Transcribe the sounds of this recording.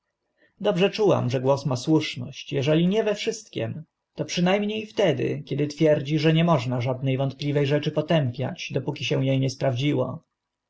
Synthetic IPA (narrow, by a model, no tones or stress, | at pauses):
d̪ɔbʐɛt͡ʂuwa̰mʐɛɡwɔsmaswuʂnɔ̰ɕt͡ɕjɛʐɛlʲiɲɛvɛfʂɘst̪̚kʲɛ̰m | t̪ɔpʂɘnajmɲejft̪ɛd̪ɘ̰kʲɛd̪ɘt̪fʲjɛɾd͡ʑiʐɛɲɛmɔʐnaʐad̪̚nɛjvɔnt̪̚plʲivɛjʐɛt͡ʂɘpɔt̪ɛmpʲja̰d͡ʑd̪ɔpukʲiɕɛw̃jejɲɛspɾavd͡ʑiwɔ̰